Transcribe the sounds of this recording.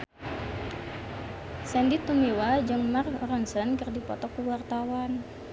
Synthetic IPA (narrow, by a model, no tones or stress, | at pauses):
sɛndit̪umewad͡ʒɨŋmarkrənsənkɨrdipɔ̰t̪ɔkuwart̪awan